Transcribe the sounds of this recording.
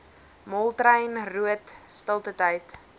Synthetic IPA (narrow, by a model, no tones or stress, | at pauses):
mɔlˠtrəjnruətstəlˠtətɐjt